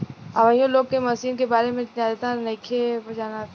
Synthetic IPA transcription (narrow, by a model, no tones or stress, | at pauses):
ɐ̰ʋəjõloːɡ̚kemɐsiːnkebaːɾemẽt̪aːlet̪anɐkʰebɐd͡ʒaːna